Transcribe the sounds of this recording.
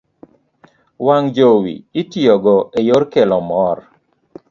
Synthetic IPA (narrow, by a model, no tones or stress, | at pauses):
waŋd͡ʒowḭɪtiɔɡɔʔejoɾkelɔmɔr